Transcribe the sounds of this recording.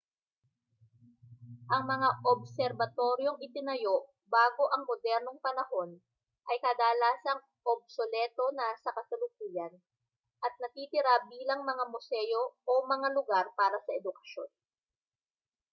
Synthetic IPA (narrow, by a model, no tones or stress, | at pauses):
ʔɐŋmɐŋaʔob̚sɛɾbɐt̪o̞ɾjo̞ŋɪt̪ɪnɐjo̞ʔ | baːɡo̞ʔɐŋmod̪ɛɾnoŋpɐnɐho̞n | ʔɐjkɐd̪aːlaːsɐŋ | ʔob̚solɛːt̪o̞nɐsɐkɐsʊlʊk̚uːjɐn | ʔɐt̪̚nɐt̪iːt̪ɪɾabiːlɐŋmɐŋamʊsɛjo̞ʔomɐŋalʊɡaɾpaːɾɐsɐʔɛd̪ʊkɐ̥ʃjo̞n